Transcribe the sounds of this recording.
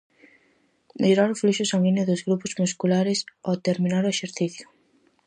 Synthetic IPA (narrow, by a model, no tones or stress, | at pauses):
meʎoɾaɾʊfluʃʊsaŋinʊðʊzɣɾupʊzmuskulaɾɪsot̪eɾminaɾʊeʃeɾθiθjʊ̥